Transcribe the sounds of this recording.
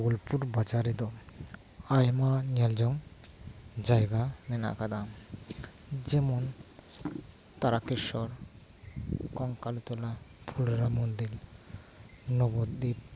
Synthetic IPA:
ɡulpuɾbad͡ʒaɾɛd̪ɔ | ajmanald͡ʒɔŋ | d͡ʒajɡanɛna̰ʔkad̪a | d͡ʒɛmɔn | t̪aɾakeʃɔɾ | kɔŋkalt̪ɔlapʰulɾamond̪il | nɔbɔd̪d̪ip

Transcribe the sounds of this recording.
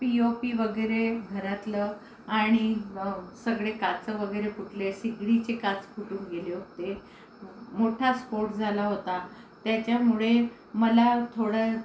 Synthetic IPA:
piopiʋəɡəjɾeɡʱəɾat̪lə | aɽ̃i | səɡɭekat͡səʋəɡəjɾepuʈlesiɡɽit͡ɕekat͡skʰuʈuːnɡeleɦot̪e | moʈʰaspoɾʈd͡zʱalaɦot̪a | t̪jat͡ɕjamuɭe | məlat̪ʰoɽə

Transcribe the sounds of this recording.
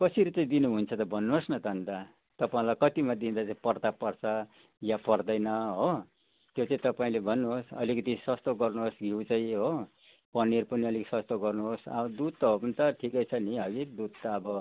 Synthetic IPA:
kʌsiɾit͡saĩd̪inuɦunt͡sʰʌt̪ʌbʱʌnːuɦosnʌd̪ʌnd̪a | t̪ʌpaĩlajkʌt̪imad̪ind̪at͡saĩpʌrd̪apʌrt͡sʰʌ | japʌrd̪ʌjnʌɦo | t̪jot͡saĩt̪ʌpaĩlebʱʌnːuɦosʌ̰likʌt̪isʌst̪oɡʌrnuɦosɡʱiwt͡saĩɦo | pʌnːeɾpʌniʌliksʌst̪oɡʌrnuɦosʌ̰bʌd̪ud̪̚t̪ʌɦopʌnit̪ʌʈʰikʌjt͡sʰʌniɦʌɡid̪ud̪̚t̪aːbʌ

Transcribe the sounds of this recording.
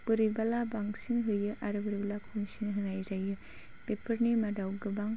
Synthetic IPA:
b̥ɯɾibalabaŋsiŋɦɯjɯʔaɾɯbɯɾibalakʰumsinɦɯnajzajɯ | pepʰɐɾnimadawɡɯbaŋ

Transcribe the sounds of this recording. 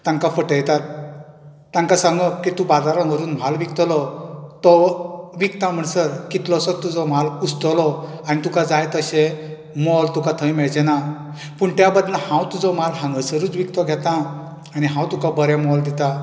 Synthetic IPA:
t̪ãŋkafəʈəjt̪at̪̚ː | ãŋkasãŋɡɔkit̪ũbad̪aɾə̃ɦəɾuːnm̤alʋik̚t̪ɔlɔt̪ɔʋikt̪ãm̤əɳsəɾkit̪lɔsɔt̪ud͡zɔm̤alust̪ɔlɔ | anit̪ukad͡zajt̪əɕe | mɔlt̪ukat̪ʰəjmɛɭd͡ʑɛna | puɳt̪jabad̪lə̃hãwt̪ud͡zɔm̤alɦãŋɡəsəɾuːt͡sʋik̚t̪ɔɡʱɛt̪ãː | niɦãwt̪ukabəɾjãmɔld̪it̪a

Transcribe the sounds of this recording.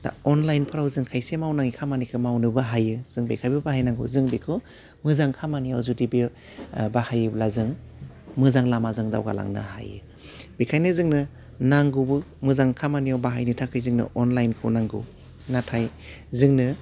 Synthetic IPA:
d̥a̰ɔnlajnpʰɯɾawzɯŋkʰajsemawnaŋikʰamanikʰɯmawnɯbɯɦajɯz̥ɯŋbḛkʰajbɯbahajnaŋɡɯ̰zɯŋbikʰɯ | mɯzaŋkʰamaniawzudibi | bahajɯblazɯŋ | mɯzaŋlamazɯŋda̰wɡa̰la̰ŋnɯ̰ha̰jɯ̰ | b̥ekʰajnɯzɯŋnɯ | naŋɡɯbɯmɯzaŋkʰamanijawbaɦajnɯtʰakʰɯjzɯŋnɯ̰ʔɔnlajnkʰɯ̰wnaŋɡɯ̰ | natʰajzɯŋnɯ

